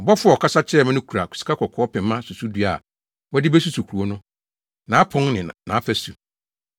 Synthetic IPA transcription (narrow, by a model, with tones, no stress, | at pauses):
m̩˨bɔ˦fʊ˦ɔ˨ɔ˨kʰa˦sa˦t͡ɕʰɛ˦˨mã˦nʊ̃˦kʰu˨ɾa˨kʰu̥˨si̥˨kʰa˦kʰɔ˨kʰɔ˨˦ɔ˦pʰɛ̃˨mmːã˦su˨su˦du˦a̰˨ | wɔ˦dɪ˦bɛ˦s̬u˦su˨kʰu˨ɾu˨o˦nʊ̃˦ | nã˨a˦pʰɔ̃˦ŋnɪ̃˨nã˨a˦fæ˦su˨